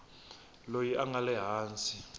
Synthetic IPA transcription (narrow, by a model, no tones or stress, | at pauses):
lojiʔaŋalɛɦaːnt͡sʼi